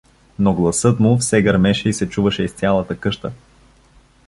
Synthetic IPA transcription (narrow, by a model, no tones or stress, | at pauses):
noɡlˠɐsɤt̪mufsɛɡɐɾmɛʃɛisɛt͡ʃuvəʃɛist̪sʲjalˠət̪əkɤʃt̪ə